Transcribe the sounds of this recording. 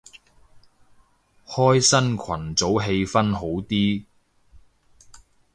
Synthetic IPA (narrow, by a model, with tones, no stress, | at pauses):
hɔː˥jsɐ˥nkʰɐ˨˩nt͡so˨˥wɦe˧jfɐ˥nɦo˨˥wt̪iː˥